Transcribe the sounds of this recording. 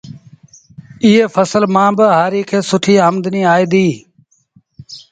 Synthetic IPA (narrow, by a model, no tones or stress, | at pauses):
ɪːeːfʰəsəlmãːbəɦaːɾiːkʰeːsʊʈʰiːəmd̪niːaːiːd̪iː